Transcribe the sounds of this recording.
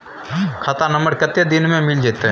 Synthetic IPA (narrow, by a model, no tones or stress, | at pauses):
kʰaːt̪anɐ̃mbəɽkɐt̪ːed̪ɪnmẽmɪld͡ʒeːt̪eɦ